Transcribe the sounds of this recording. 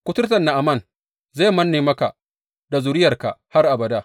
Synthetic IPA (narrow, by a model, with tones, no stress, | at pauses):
kʷʊ˦tʊ˦tɐ˨nːa˨ʔa˨mɐ˦˨n | zaː˦˨mɐ˦nːeː˨mɐ˦ka˨ | da˨zʊ˨ɾɪ˦jɐ˨rka̰˨ha˦rʔa˨bɐ˨daː˦